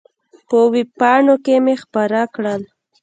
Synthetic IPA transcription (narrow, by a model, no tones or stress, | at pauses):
pəwipɑɳokemexpaɾakɽəl